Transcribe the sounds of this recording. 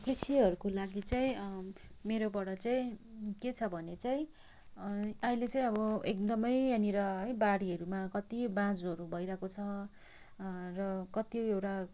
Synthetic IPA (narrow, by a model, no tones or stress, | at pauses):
krisiʌɾukolaɡit͡saĩ | meɾobʌɽʌt͡saĩket͡sʰʌbʱʌnet͡saĩ | ʌɦĩlet͡saĩʌbʌek̚d̪ʌmʌjaniɾʌɦʌjbaɽiɦʌɾumakʌt̪ibãd͡zʌɾubʱʌjɾakot͡sʰʌ | rʌkʌt̪ioewʈa